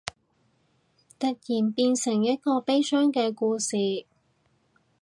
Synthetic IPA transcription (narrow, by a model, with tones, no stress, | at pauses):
t̪ɐ˨t̚jiː˨˩npiː˧nsɪ˨˩ŋjɐ˥t̚kɔː˧pe˥jsœː˥ŋkɛː˧kuː˧siː˨